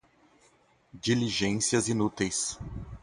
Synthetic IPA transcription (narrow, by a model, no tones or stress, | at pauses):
d͡ʒiliʒẽsiɐzinut̪ejs